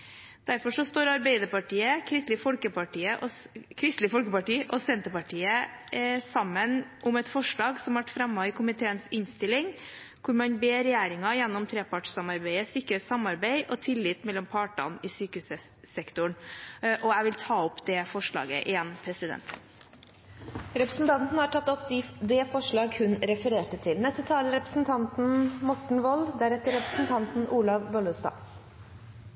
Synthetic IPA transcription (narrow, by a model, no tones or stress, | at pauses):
d̪̥æɾfɔʂɔst̪oːɾɑɾbeɪd̪əɾpɑʈiːəkʰɾɪst̪lɪfɔlkəpɑʈiːəʔɔ | kʰɾɪst̪lɪfɔlkəpɑʈiːʔɔsɛnt̪əpɑʈʰiːə | sɑmːənʔʊmɛt̪fɔʂɭɑːɡsɔmhɑʋæʈfɾɑmːɑɪkʰʊmɪt̪ʰeːənsɪnst̪ɪlːɪŋ | kʰʊɾmɑnbeːɾɛjæːɾɪŋɑjɛnːɔmt̪ʰɾeːpʰɑʈʂsɑmɑɾbæɪəsɪkːəɾɛt̪sɑmɑɾbæɪʔɔt̪ʰɪlːɪːt̪mɛlːɔmpʰɑːʈɑ̰nɪsyːkəʉsə | sɛkt̪ʊɳʔɔæʋɪlt̪ʰɑːɔpːd̪ɛfɔʂɭɑ̰ːɡə̰ʔɪɛnpʰɾɛsɪd̪ɛ̰nt̪ | ɾɛpɾəsn̩t̪ʰɑnt̪n̩əhɑʈʰɑt̪ːɔpd̪ɪd̪ɛfɔʂɭɑːɡhʉnɾɛfəɾeːʈət̪ʰɪlnɛst̪ət̪ʰɑːləɾɛpɾəsn̩t̪ʰɑnt̪n̩mɔʈɳ̩ʋɔld̪æɾɛt̪ːəɾɾɛpɾəsn̩t̪ʰɑnt̪n̩ʔuːlɑʋʋɔlʉst̪ɑ̰ː